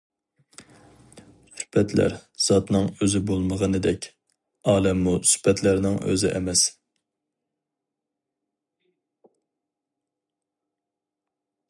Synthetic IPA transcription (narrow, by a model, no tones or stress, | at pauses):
sy̥pɛt̪ʰlæ̰ɾz̥ɑt̪nɨŋøzɪbolˠməʁənɨd̪ɛkʲ | ɑːlɛmːusy̥pɛt̪ʰlæɾnɪŋø̰zɪ̰ʔɛ̰mɛs